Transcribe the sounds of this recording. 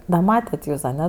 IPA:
dɐ ˈmɑːtʲɛt ˈjuːs ɐˈnʲɛ

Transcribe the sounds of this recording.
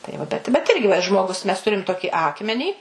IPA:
tɐɪ ˈʋɐ bʲɛt bʲɛt ˈɪrʲɡʲɪ ʋɐ ɪ ʒmoːˈɡʊs mʲɛs ˈtʊrʲɪm ˈtoːkʲɪ ˈɑːkmʲɛnʲiː

